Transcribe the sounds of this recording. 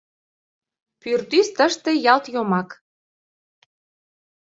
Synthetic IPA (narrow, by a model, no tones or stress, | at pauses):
pyrt̪yst̪əʃt̪ĕjɑlt̪jomɑk